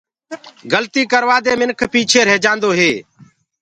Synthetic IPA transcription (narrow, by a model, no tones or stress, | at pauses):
ɡəlt̪iːkəɾʋaːd̪eːmɪnkʰpiːt͡ʃʰeːɾeːd͡ʒãːnd̪oːɦeː